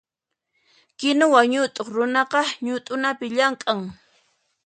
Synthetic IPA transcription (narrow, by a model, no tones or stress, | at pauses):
kɪnʊwaɲʊt̪ʼoχɾʊnɑqɑɲʊt̪ʼʊnapɪʎaŋkʼaŋ